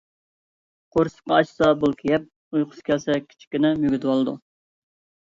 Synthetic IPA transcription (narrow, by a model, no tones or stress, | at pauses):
qʰoɾsɨ̥qɑɑt͡ʃsɑbulˠkʲʰejɛp̚ | ujqʰʊ̥skʲʰɛlsɛkʲʰi̥t͡ʃʰi̥kʲynɛmyɡʲyt̪ɨwɑlˠɨd̪ṵ